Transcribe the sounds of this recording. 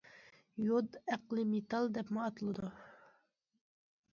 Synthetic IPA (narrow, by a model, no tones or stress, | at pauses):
jod̪æqlˠɨmet̪ɑlˠd̪ɛpmʊɑt̪ɨlˠɨd̪u